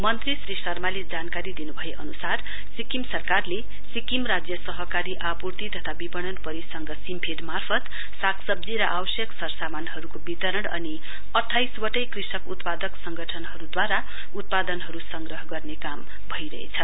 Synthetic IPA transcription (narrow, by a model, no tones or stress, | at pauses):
mʌnt̪risrisʌrmaled͡zankaɾid̪inubʱʌeʔʌnusar | sikimsʌrkarle | sikimrad͡zjʌsʌɦʌkaɾiʔapurt̪it̪ʌt̪ʰabibʌɽ̃ʌnpʌɾisʌŋɡʌsimpʰeʈmarpʰʌt̪ | sakʰsʌb̚d͡ziɾʌʔawʌsjʌksʌrsamanɦʌɾukobit̪ʌɾʌnʌ̰ni | ʌʈʰːajswʌʈʌjkrisʌkut̪pad̪ʌksʌŋɡʌʈʰʌnɦʌɾud̪waɾa | ut̪̚pad̪ʌnɦʌɾusʌŋɡrʌɦʌɡʌrnekam | bʱʌjɾʌɦḛt͡sʰʌ